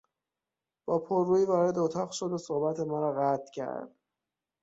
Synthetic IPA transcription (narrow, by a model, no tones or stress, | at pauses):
b̥ɒːpʰoɾːuːiːvɒːɾe̞d̪ot̪ʰɒːɣʃo̞d̪osohbæt̪ʰemɒːɾɒɣæt̪ʰcʰæ̰ɾd̪̥